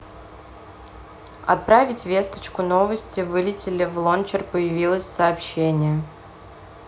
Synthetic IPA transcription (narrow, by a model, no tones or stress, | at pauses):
ɐ̰t̪̚pɾavʲɪtʲvʲe̞st̪ə̥t͡ɕkʊno̞vəsʲtʲɪvɨlʲɪtʲɪlʲɪvlˠont͡ɕɪrpəjɪvʲilˠəsʲsɐːpɕːenʲɪjə